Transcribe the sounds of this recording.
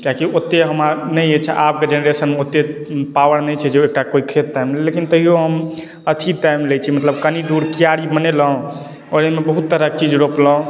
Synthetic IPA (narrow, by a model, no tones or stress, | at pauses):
kakiot̪ːeɦəmanəjet͡ʃʰɛ̰ʔap̚ked͡ʒeneɾesənmeot̪ːepawəɾnɛjt͡ʃʰɛd͡ʒeek̚ʈakoikʰet̪ːajmllekint̪əɦijoɦəm | ət̪ʰiʈajmlɛt͡ʃʰimət̪ləbkənid̪uɾkijaɽibəneləɦõ | ɔɾemebəɦut̪ːəɾək̚t͡ʃid͡ʒɾopləɦõ